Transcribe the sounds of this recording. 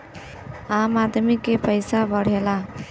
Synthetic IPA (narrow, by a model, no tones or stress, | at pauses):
amad̪mikepəɪsabəɽ̤ela